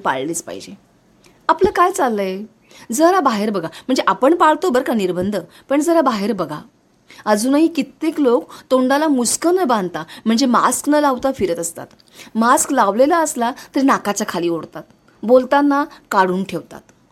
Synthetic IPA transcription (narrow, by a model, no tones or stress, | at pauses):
pa̰ɭliːt͡spa̰ɦḭd͡ʑe | apləːkajt͡salːəje | d͡zəɾabaɦeɾbəɡam̤əɳd͡zeʔapəɳpaɭt̪obəɾkaniɾbənd̪ʱə | pəɳd͡zəɾabaɦeɾbəɡʱa̰ | əd͡zuːnaɦikit̪ːeklokt̪oɳɖalamuskənəbãnd̪t̪am̤əɳd͡zema̰sknəlaʋt̪afiɾət̪əst̪a̰t̪ | masklaʋlelaəslat̪əɾinakat͡ɕakʰaliːoɽt̪at̪̚ | bolt̪anːakaɽ̤uːnʈʰeʋt̪a̰t̪